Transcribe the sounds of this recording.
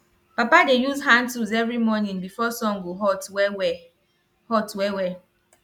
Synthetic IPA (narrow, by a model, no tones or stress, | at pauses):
papadejuzɦan̩tuzevɾimɔnĩŋbifɔsɔŋ̩ɡoɦɔ | hɔtwewe